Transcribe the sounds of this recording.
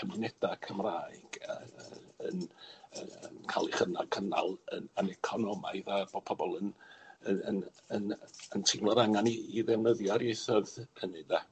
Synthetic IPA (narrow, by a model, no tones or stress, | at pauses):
əmnɛd̥akʰəmraːɨɡ̥əənəəkʰa̰lˠiχəna̰kʰəna̰lˠənənɛkʰɔnɔmaɨðab̥od̚pʰɔbɔlˠənəənənəntʰɪŋlˠɔɾaŋaniːðɛwnəðjɔɾjejθɔðhʰənɨda